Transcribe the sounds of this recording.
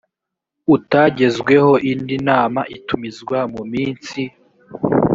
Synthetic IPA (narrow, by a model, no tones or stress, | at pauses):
utaɟe̞zɡwe̞ho̞ʔindinaːmaʔitumizɡwamumiːnsi